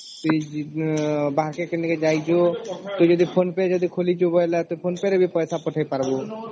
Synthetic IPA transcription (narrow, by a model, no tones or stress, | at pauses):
t̪ui | baɦkekeniked͡ʒajd͡ʒot̪od͡ʒɔd̪ipʰonped͡ʒɔd̪ikʰolit͡ʃʰubɔlat̪oipʰonpeɾebʱipɔjsapɔʈʰajpaɾbo